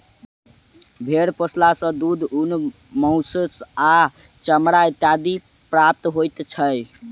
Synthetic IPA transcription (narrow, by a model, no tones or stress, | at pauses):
bʱeɽpəslasə̃d̪ud̪ʱun | məʊsəsa | t͡ʃəmɾait̪jad̪i | pɾap̚t̪ɦojt̪t͡ʃʰəj